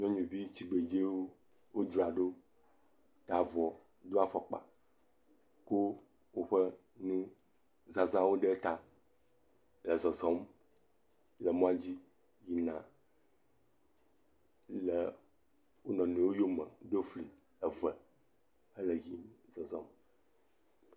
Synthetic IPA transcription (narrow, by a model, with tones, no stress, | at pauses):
ɲɔ̃˦ɲũ˨vi˦t͡ɕi˨ɡ͡be˨d͡ʒe˦wo˦ | wo˦d̪ɾa˨ɖo˦ | t̪a˨vɔ˨ | d̪o˦a˨fɔ˨k͡pa̰˨ | ko˦ | wo˦ɸɛ˦ | nũ˦ | za˨zã˦wo˦ɖe˦t̪a˨ | lɛ˨zɔ˨zɔ̃˨˦m | lə˨mɔ̃˦a˦d͡ʑi˦ | ji˨nã˨ | lɛ˨ | wo˦nɔ̃˨nũ˨˦wo˦jo˦mɛ̰̃˨ɖo˦fli˨ | ɛ˨vɛ˨ | ɛ˦lɛ˨ji˦zɔ˨zɔ̃˦m